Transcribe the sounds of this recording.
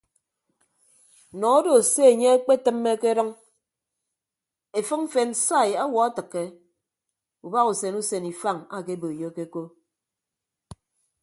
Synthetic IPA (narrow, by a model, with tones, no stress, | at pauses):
nɔ˨o˦do˨se˦e˨ɲe˦k͡pe˦tɨ˦mːe˦ke˦ɾɨ˦ŋ | e˨fɨ˦ŋ̩˦fe˨nsa˦˨ja˦wɔ˨a˦tɨ˨kːe˦ | u˨ba˦ɣu˨se˨nu˦se˨ni˨fa˦˨ŋa˨ke˦bo˨e˨jo˦ke˦ko˦